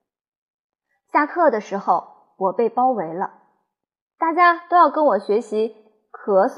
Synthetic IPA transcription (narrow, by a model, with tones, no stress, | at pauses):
ɕja˥˧kʰɤ˥˩d̪ə˩ʂɻ̩˧˥xo˥˩ʊ | wɔ˨˩pe˥˩ɪpɑ˥ʊwe˧˥ɪlə˧ | t̪a˥˩t͡ɕja˥t̪o˥ʊjɑ˥˩ʊkə˥nwɔ˨˩ɕɥɛ˧˥ɕi˧˥ | kʰɤ˧˥s